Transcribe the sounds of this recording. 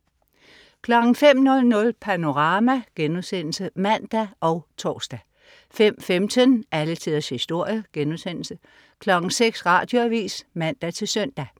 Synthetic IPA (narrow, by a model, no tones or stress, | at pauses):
kʰlɒ̽ɡ̥ŋ̩fem̰nɔ̽lnɔ̽lpʰæno̝ʁɑ̈ːmæɡ̥enuðˠsen̰l̩səmæn̰d̥æʔɒʊt͡sʰɒ̰ːsd̥æ | fem̰femt͡sʰənʔælət͡sʰiðˠɐshisd̥o̝ɐ̰jəɡ̥enuðˠsen̰l̩sə | kʰlɒ̽ɡ̥ŋ̩seɡ̥sʁɑ̈d̥jo̝æʋḭːsmæn̰d̥æt͡sʰe̝lsœn̰d̥æ